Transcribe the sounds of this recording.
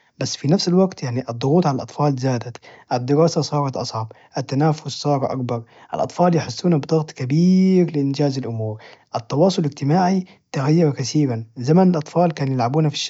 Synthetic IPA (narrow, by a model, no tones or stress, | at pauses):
basːfinafsalwaɡt̪jaʕniʔɑd̪ˤːʊɣuːt̪ˤʕalalʔɑt̪ˤfɑːlzaːd̪at̪ʔad̪ːɪɾaːsasˤɑːɾˤɑt̪ʔɑsˤʕɑb | ʔat̪ːanaːfʊssˤɑːɾˤɑʔa̰kbɑɾˤ | ʔa̰lʔɑ̰t̪ˤfɑːljɪħɪsːuːnabd̪ˤɑɣt̪ˤkabiːɾlɪʔɪnd͡ʒaːzalʔʊmuːɾʔɑt̪ːɑwɑːsˤʊlɪɡt̪ɪmaːʕi | t̪aɣajːɑɾakasiːbanzamanalʔɑt̪ˤfɑːlkaːnjɪlʕabuːnafi̥ʃ